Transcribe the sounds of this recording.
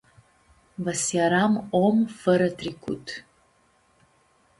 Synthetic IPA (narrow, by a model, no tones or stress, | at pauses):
vɐsjaɾamomfəɾɐtʰrikʰʷṵtʰ